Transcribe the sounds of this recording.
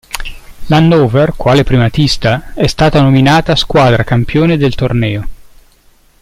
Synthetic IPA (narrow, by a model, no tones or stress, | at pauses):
lanːoːverkwaːlepɾimat̪ist̪aɛst̪aːt̪anominaːt̪askwaːd̪ɾakampjoːned̪elt̪ornɛːo